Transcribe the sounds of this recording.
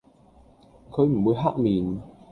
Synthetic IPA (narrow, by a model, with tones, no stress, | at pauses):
kʰə˧˥jm̩˨˩mu˨˦jɦaː˦˥t̚miː˨˩n